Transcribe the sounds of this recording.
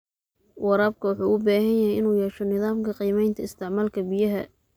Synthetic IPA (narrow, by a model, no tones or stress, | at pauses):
wɑɾaːb̚kʰɐwɑħuːʔʊbaːɦɐnjɐhɛjɪnuːjɛːʃɔnɪðaːmkʰɐqiːmɛjnt̪ʰɐɪst̪ʰɪʕmaːlkʰɐbɪjɐɦɐ